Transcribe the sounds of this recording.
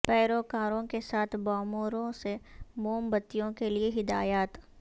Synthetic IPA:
pɛːɾoːkaːɾõkesaːt̪ʰbɔːmuːɾõsemoːmbɐt̪ːijõkelieɦɪd̪aːjaːt̪

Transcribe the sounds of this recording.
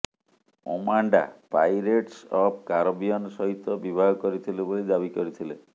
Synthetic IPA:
o̰maɳɖa̰pa̰jɾeʈsɔb̚ʰkaɾobiɔnsɔɦit̪ɔbibʱaɡɔkɔɾit̪ʰilebolid̪abikɔɾit̪ʰile

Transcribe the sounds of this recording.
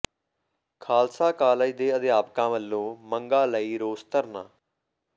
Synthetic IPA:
kʰaːlsaːkaːləiːd̪eːəd̪jaːpkãːʋəlːõːməŋɡaːləiːɾoːst̪əɾna̰ː

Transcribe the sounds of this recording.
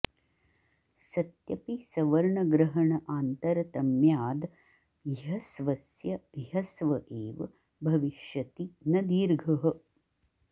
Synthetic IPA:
sɐt̪jɐpisɐʋɐɾɳɐɡɾɐɦɐɳɐʔaːnt̪ɐɾɐt̪ɐmjaːd̪ | ɦɐsʋɐsjɐjɐsʋɐʔeːʋɐ | bʱɐʋiʃjɐt̪inɐd̪iːɾɡʱɐɦɐ̆

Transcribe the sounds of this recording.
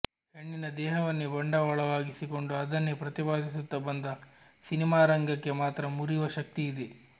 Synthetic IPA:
heɳːinɐd̪ɛːɦɐʋɐnːibɐɳɖɐʋɐɭɐʋaːɡisiko̞ɳɖuɐd̪ɐnːepɾɐt̪ibaːd̪is̬ut̪ːɐbɐnd̪ɐ | sinimaːɾɐŋɡɐkːe̞maːt̪ɾɐmuɾiʋɐʃɐk̚t̪iːd̪e

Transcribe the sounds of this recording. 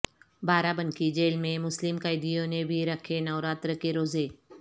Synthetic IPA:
baːɾabənkʰid͡ʑeːlmẽmʊslɪmkaːɪd̪ijõnẽbʱiɾɐkʰenaːɾaːt̪ɾəkeɾoːzeː

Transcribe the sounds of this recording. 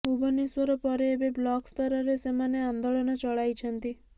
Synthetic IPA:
ubɔniswɔɾɔpɔɾeːbeblɔkst̪ɔɾɔɾesemaneand̪oɭɔnɔt͡ʃɔɭajt͡ʃʰɔnt̪i

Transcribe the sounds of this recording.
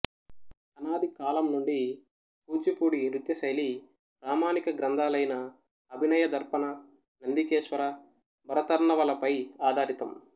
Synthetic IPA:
ɐnaːd̪ʱikaːlɐmnuɳɖi | puːd͡ʒipuːɽiɾut̪jɐsɐjli | ɾaːmaːnikɐɡɾɐnd̪ʱaːlɐjnɐː | bʱinɐjɐd̪ɐɾpɐnɐ | nɐnd̪ikeːʂʋɐɾɐ | bʱɐɾɐt̪ɐɾɳɐʋɐlɐpɐjaːd̪ʱaːɾit̪ɐm

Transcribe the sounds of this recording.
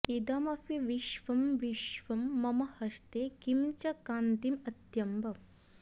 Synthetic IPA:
id̪ɐmɐpʰiʋiʃʋɐmʋiʃʋɐmːɐmɐhɐst̪eːkimt͡ʃɐkaːnt̪imɐt̪jɐmbɐ

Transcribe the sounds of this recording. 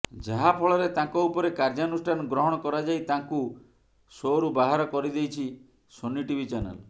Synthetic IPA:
d͡ʒaɦapʰɔɭɔɾet̪ãŋkɔupɔɾekaɾd͡ʒaɔnusʈʰanɔɡɾɔɦɔɽ̃ɔkɔɾad͡ʒajt̪aŋku | soɾubaɦaɾɔkɔɾid̪ejt͡ʃʰi | sonːiʈibʱit͡ʃanḛl

